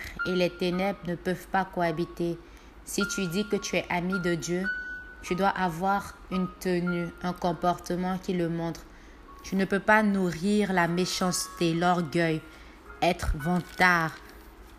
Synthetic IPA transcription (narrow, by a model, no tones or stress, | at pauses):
elɛt̪enɛbʁnəpœvpakoabit̪e | sit̪yd̪ikət̪yɛʔamid̪əd̪jø | t̪yd̪waʔavwaʁynt̪ənyɛ̃kɔ̃pɔʁt̪əmɑ̃kʲiləmɔ̃t̪χ | t̪ynəpøpanuʁiʁlameʃɑ̃st̪elɔʁɡʲœj | ɛt̪χvɑ̃t̪aʁ